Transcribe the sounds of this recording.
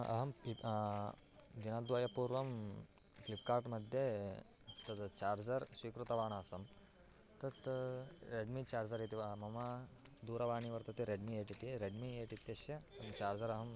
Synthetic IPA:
ɐ̰ɦɐm | d̪inɐd̪ʋɐjɐpuːɾʋɐm | klipkaːɾʈmɐd̪ʱje | t̪ɐt̪t͡ʃaːɾd͡ʒɐɾsʋiːkɾut̪ɐʋaːɳaːsɐm | t̪ɐt̪ɾeɖmit͡ʃaːɾd͡ʒɐɾjet̪iʋɐmɐmɐd̪uːɾɐʋaːɳiʋɐɾt̪ɐt̪iɾeɖmieːʈit̪iɾeɖmieːʈit̪jɐsjɐ | ɐt͡ʃaːɾd͡ʒɐɾɐɦɐm

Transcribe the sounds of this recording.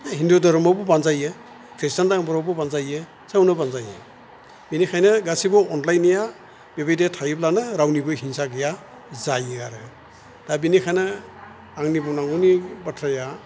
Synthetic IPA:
ɦindudɔɾɔmɔbɔbanzajɯ | kʰɾestandaŋbɔɾɔbɯbanzajɯ | sawnɯbanzajɯ̰ | binikʰajnɯɡasibɔɔnlajnija | bebajdetʰajɯp̚lanɯɾawnibɯjhinsaɡɯja | zajɯaɾɯ | d̥abinikʰajnɯ | aŋnibɔnaŋɔnibatʰɾaja

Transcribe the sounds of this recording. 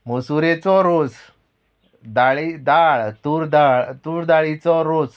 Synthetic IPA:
mosuɾet͡sɔɾod͡z | d̪aɭid̪aɭt̪uɾd̪aɭt̪uːɾd̪aɭit͡sɔɾod͡z

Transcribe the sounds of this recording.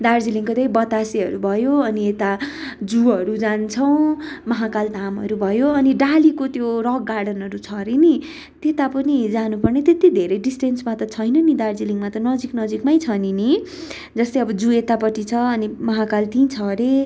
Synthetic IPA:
d̪ard͡ziliŋkod̪ʌjbʌt̪asiʌɾubʱʌjoʌniet̪a | d͡zuɦʌɾud͡zant͡sʰʌw̃mʌɦakald̪ʱamʌ̰ɾubʱʌjoʌniɖalikot̪joɾʌɡːarɽʌnʌɾut͡sʰʌɾeni | t̪et̪apʌnid͡zanupʌrnet̪et̪id̪ʱeɾʌjɖisʈensmat̪ʌt͡sʰʌjnʌnid̪ard͡ziliŋmat̪ʌnʌd͡ziknʌd͡zikmajt͡sʰʌnini | d͡zʌst̪ejʌbʌd͡zuet̪apʌʈit͡sʰʌʌnimʌɦakalt̪ĩt͡sʰʌɾe

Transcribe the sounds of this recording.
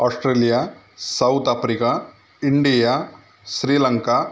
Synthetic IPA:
aːsʈɾeːlija | sɐwt̪aːpɾika | iɳɖija | ʃɾiːlɐŋka

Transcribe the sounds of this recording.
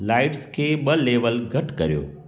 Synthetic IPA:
laɪʈskʰeɓəleʋəlɡʱɐʈkə̰ɾjo̰ː

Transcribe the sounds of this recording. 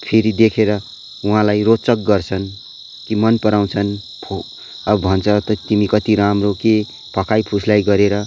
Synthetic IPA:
pʰeɾid̪ekʰeɾʌ | uɦãlajrot͡sʌk̚ɡʌrt͡sʰʌn | kimʌnpʌɾaw̃t͡sʰʌn | pʰo | ʌbbʱʌnt͡sʰʌt̪ʌt̪imikʌt̪iɾamroke | pʌkajpʰuslajɡʌɾeɾʌ

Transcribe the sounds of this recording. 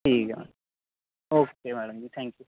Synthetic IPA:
ʈʰiːk | oːkemæɽɐmd͡ʑit̪ʰɛ̃ŋkju

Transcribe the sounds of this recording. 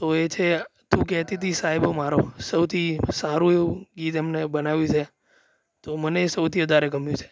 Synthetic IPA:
t̪oet͡ʃʰet̪ũk̬ɛɦt̪it̪ʰisaɦebomaɾosəwt̪ʰisaɾũeuɡit̪emnebənaʋjũt͡ʃʰe | t̪oməneːsəwt̪ʰiʋəd̪ʱaɾekəmjũt͡ʃʰe̥

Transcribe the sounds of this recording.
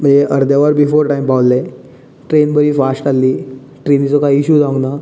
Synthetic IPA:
m̤əɳd͡zeʔəɾd̪jaʋəɾbifoɾʈaimpawlle | ʈɾenbəɾiːfasʈalːiː | ʈɾenit͡sɔkaiiɕuːd͡zaŋɡna

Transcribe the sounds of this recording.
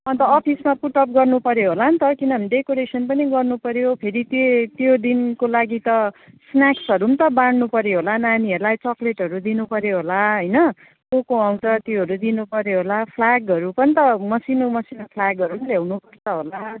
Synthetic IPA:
ʌnt̪ʌːpʰismapuʈʌp̚ɡʌrnupʌɾjoɦolant̪ʌkinʌmiɖekoɾesʌnpʌniɡʌrnupʌɾjopʰeɾit̪et̪jod̪inkolaɡit̪ʌ | snjaksʌɾunt̪ʌbaɽnupʌɾjoɦolananiɦʌɾlajt͡sʌkleʈɦʌɾud̪inupʌɾjoɦolaɦʌjnʌ | kokoaw̃tʌt̪jiɦʌɾud̪inupʌɾjoɦolapʰlaɡʌɾupʌnit̪ʌmʌsinomʌsinopʰlaɡʌɾunljawnupʌrt͡sʌɦola

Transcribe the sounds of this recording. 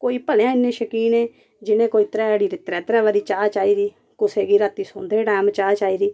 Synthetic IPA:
koːiːpəlãːɪnːẽːʃəkiːnẽː | d͡ʒɪnẽːkoːiːt̪ɾɛːɛːɽiːɾɪt̪ɾɛːt̪ɾɛːʋaɾiːt͡ʃaːt͡ʃaːiːɾiː | kʊseːɡiːɾaːt̪iːsõːnd̪eːɖɛːmt͡ʃaːt͡ʃaːiːɾiː

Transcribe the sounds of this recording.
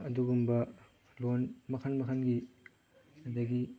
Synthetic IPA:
ɐduɡumbɐ | lonmɐkʰɐnmɐkʰɐnɡi | ɐdɐɡi

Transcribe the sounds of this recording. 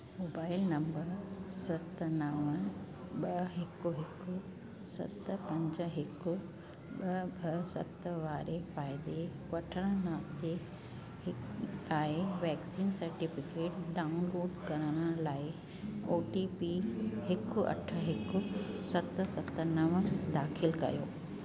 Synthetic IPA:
moːbaːɪlnɐ̃mbəɾsɐt̪nɐʋə | ɓɐɦɪkːʊɦɪkːʊ | sɐ̰t̪pɐ̃ɲd͡ʑəɦɪkʊ | ɓɐbʱɐsɐ̰t̪ʋaːɾefaːɪd̪ekɐʈʰəɽ̃ənaːmt̪e | ɪaːeʋɛːksiːnsɐɾʈɪfɪkeːʈɖaːʊnloːɖkɐɾəɽ̃əlaːɪ | oːʈipiɦɪkʊɐ̰ʈʰə̆ɦɪkʊsɐt̪sɐt̪nɐʋd̪aːxʰɪlkɐ̰jo̰ː

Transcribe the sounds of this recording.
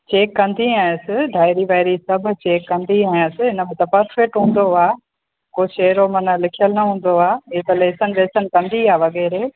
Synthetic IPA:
t͡ɕeːkːɐ̃nd̪iaːɪ̃əsɪ̆ɖʱaːɪɾiʋaːɪɾisɐbʱʊ̆t͡ɕeːkːɐ̃nd̪iaːĩjəsɪ̆ɪnə̆mẽt̪ɐpɐɾfɛk̚ʈɦũːn̆d̪oaː | koːʃɐːɾomɐnəlɪkʰijəlnɐɦũːn̆d̪oaːɪet̪ɐleːsənɪ̆leːsənkɐ̃nd̪iaːʋɐɣɛːɾeː

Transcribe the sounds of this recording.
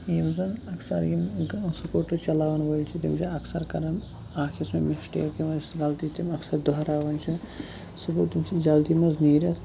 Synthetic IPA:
jimzɐnɐksɐɾimsukoːʈut͡ʃɐlaːwɐnʋolt͡ʃʰit̪imt͡ʃʰiɐksɐɾkɐɾɐn | aːkʰismemesʈḛːʈkemɐsɡɐlt̪it̪imɐksɐɾd̪oɦɾaːʋɐnt͡ʃʰi | subut̪imt͡ʃʰid͡ʒɐld̪imɐzniːɾɐt̪ʰ

